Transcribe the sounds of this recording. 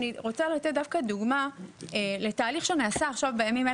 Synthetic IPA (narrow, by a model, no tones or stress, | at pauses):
niʁo̞t͡salat̪et̚dafkad̪uɡmaele̞taːliχʃeaniasaːχʃavbejamime